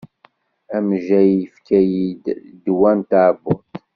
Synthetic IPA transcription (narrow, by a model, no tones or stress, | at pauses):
æmʒæjəfkæjid̪d̪wænt̪aʕbʊt̪